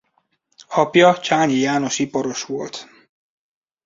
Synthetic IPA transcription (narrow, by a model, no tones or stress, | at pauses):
ɒpjɒt͡ʃaːɲijaːno̞ʃipɒɾoʃʋolt̪